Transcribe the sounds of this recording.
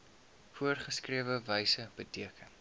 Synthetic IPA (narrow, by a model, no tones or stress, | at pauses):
fuərχəskriəvəvəjsəb̥ətiəkʰən